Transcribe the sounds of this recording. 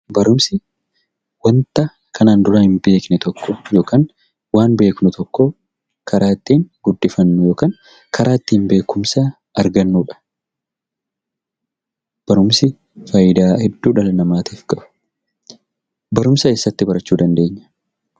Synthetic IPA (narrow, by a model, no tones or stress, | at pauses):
bɐɾʊmsɪ | wɐnt̪ɐ | kʰɐnaːnd̪ʊɾahɪmbe̞ːknɛt̪ɔkːɔjo̞ːkaːŋ | waːnbe̞ːknʊt̪ʰɔkːɔ | kʰɐɾʔaːt̪ːiːnɡ̥ʊd̪ːɪfɐnːʊjo̞ːkaːŋ | kʰɐɾʔaːt̪ːiːnbe̞ːkʊmsa | ɐɾɡɐnːuːᶑɐ̥ | b̥ɐɾʊmsɪ | faːjɪd̪aːhɛd̪ːuːᶑɐlɐnɐmaːt̪iːfkɐbʊ̥ | bɐɾʊmsɐɛsːɐt̪ːɪbɐɾɐt͡ʃːuːd̪ɐnd̪e̞ːɲːɐ̥